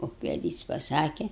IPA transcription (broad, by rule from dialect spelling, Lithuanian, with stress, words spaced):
ʊkʋʲɛˈdʲiːs pɐˈsɑːkʲɛ